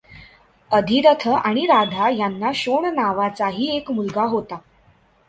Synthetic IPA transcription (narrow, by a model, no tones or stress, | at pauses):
əd̪ʱiɾət̪ʰəaɽ̃iɾad̪ʱajanːaɕoɳnaʋat͡saɦiːekmulɡaɦot̪a